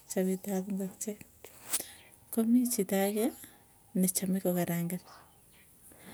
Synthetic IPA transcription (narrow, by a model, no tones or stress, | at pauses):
t͡ʃaβitaβuŋɡat͡ʃe | komit͡ʃitaɣa | net͡ʃamikokaɾaːŋɡan